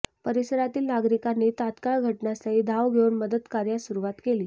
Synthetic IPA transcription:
pəɾisəɾat̪iːlnaɡɾikanet̪at̪kaɭɡʱəʈɳjasaɦiːd̪ʱaʋɡʱeuːnməd̪əd̪kaɾjasuɾuʋat̪keliː

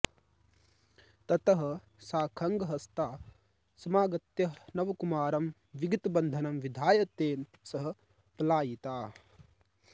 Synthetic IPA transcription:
t̪ɐt̪ɐɦɐ̆ | saːkʰɐŋɡɐɦɐst̪aː | sɐmaːɡɐt̪jɐɦnɐʋɐkumaːɾɐm | ʋiɡit̪ɐbɐnd̪ʱɐnɐmʋid̪ʱaːjɐt̪eːn | sɐɦɐ̆ | plaːjit̪aː

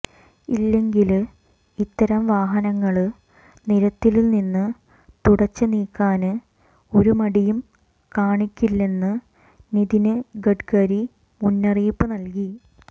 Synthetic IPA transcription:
ilːe̞ŋɡil | it̪ːɐɾɐmʋaːɦɐnɐŋːɐɭɨ | niɾɐt̪ːilninːɨ | t̪uɽɐt͡ɕːɨniːkːaːnɨ | o̞ɾumɐɽijum | kaːɳikʲːilːe̞nːɨ | niðinɨɡɐʈkɐɾi | munːɐrijpːɨnɐlki

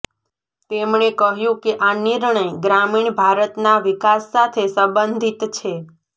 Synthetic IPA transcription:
t̪emɳekəɦjũkeʔaniɾɳəjɡɾamiɳ̃bʱaɾət̪naʋikasːat̪ʰesəbənd̪ʱit̪t͡ʃʰe

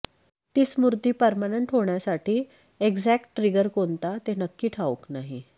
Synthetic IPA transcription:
t̪iːsmuɾt̪iːpəɾmaneɳʈɦoɳjasaʈiː | eɡd͡zækʈːɾiɡəɾkont̪at̪enəkːiːʈʰauknaɦi

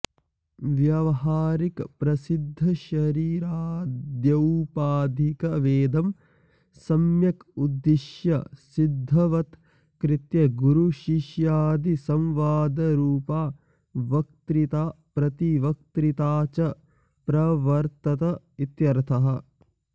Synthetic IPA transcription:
ʋjɐʋɐɦaːɾikpɾɐsid̪ʱːɐʃɐɾiːɾaːd̪jɐwpaːd̪ʱikɐʋeːd̪ɐm | sɐmjɐkud̪ːiʃjɐsid̪ʱːɐʋɐt̪ | kɾɪt̪jɐɡuɾuʃiʃjaːd̪isɐ̃mʋaːd̪ɐɾuːpaː | ʋɐk̚t̪ɾit̪aːpɾɐt̪iʋɐk̚t̪ɾit̪aːt͡ʃɐ | pɾɐʋɐɾt̪ɐt̪ɐ | it̪jɐɾt̪ʰɐɦɐ̆

